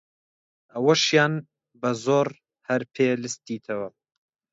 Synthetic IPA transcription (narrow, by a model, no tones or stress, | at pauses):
ɐwɐʃjaːn | bɐzoːɾ | hɐɾpʰeːlɨst̪iːt̪ʰɐwɐ